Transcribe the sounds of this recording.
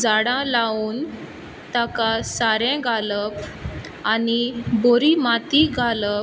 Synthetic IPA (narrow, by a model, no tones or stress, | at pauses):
d͡zaɽãlauːn | t̪akasaɾɛ̃ɡʱaləp | aniboɾimat̪iɡʱalə